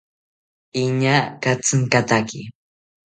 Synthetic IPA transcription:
iɲakat͡sɨŋkat̪aki

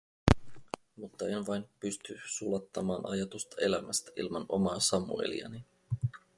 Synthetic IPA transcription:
mut̪ːɑenʋɑjnpyst̪ysulɑt̪ːɑmɑːnʔɑ̰jɑt̪ust̪ɑe̞læmæst̪æ̥ʔḭlmɑno̞mɑːsɑmṵḛlḭɑ̰ni

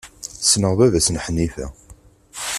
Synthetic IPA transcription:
snəʁvævæsnħənːifæ̰

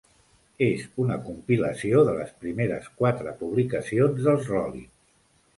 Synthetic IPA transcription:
ezunəkumpiləsioðələspɾimeɾə̰skwat̪ɾəpuβ̞likəsionzðəlˠzrɔlḭs

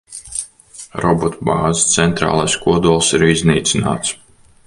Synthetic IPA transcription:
ɾɔbɔt̪baːzit̪sɛnt̪ɾa̰ːlˠajskuɔd̪uɔlˠsiɾizniːt̪sʲina̰ːt̪s

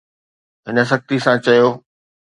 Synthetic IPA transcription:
ɦɪnə̆s̬ɐk̚t̪isãt͡ɕɐjoː

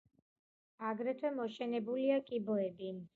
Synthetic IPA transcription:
aɡɾɛt̪ʰwɛmɔʃɛnɛbuliakʼibɔɛbin

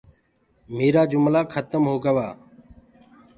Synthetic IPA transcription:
meːɾaːd͡ʒʊmlaːkʰət̪əmɦoːɡəʋaː

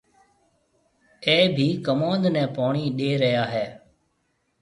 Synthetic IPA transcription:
eːbʱiːkəmãːnd̪nɛ̃ːpaːɳiːɗeːɾəɦjaːɦɛː

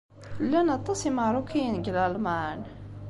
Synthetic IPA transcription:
lːænɑt̪ˤːɑsimaɾˤukijənɡəlalman

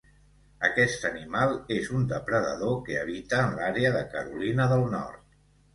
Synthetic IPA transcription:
ə̰kɛst̪ənimalˠezund̪əpɾəðə̰ðokeəβit̪əːnlaɾeəðəkə̰ɾulinəðəlˠnɔ̰rt̪̚

